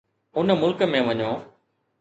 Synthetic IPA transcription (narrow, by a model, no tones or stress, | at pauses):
ʊnəmʊlkəmẽʋɐɲõː